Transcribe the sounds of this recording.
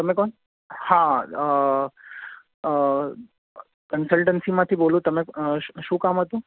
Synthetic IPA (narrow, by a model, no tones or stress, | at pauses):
t̪əmẽkɔn | ha | kənsəlʈənsimãt̪ʰibolũt̪əmeʃũːkamɦət̪ũ